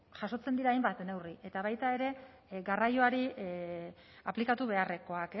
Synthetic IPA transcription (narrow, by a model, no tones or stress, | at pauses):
ʝaso̞t͡send̪iɾaːjmbat̪ne̞wriʔe̞t̪aβ̞ajt̪ae̞ɾe̞ | ɡarajo̞aɾi | aplikat̪uβe̞are̞ko̞ake